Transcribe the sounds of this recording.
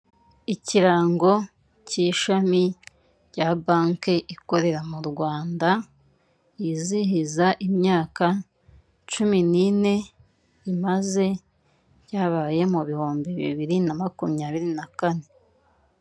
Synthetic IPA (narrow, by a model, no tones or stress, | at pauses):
iciɾaːŋɡo̞ | ciʃami | ɟabaːŋkeʔiko̞ɾe̞ɾamuɾɡwaːnda | iziɦizaʔimɲaːka | t͡ʃuminine̞ | imaze̞ | ɟaːβaːje̞muβihuːmbiβḭβiɾinamakumiɲaːβiɾinakane̞